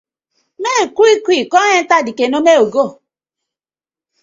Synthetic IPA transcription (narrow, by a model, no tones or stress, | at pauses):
mekuikʷikɔɲentadikenomeoɡo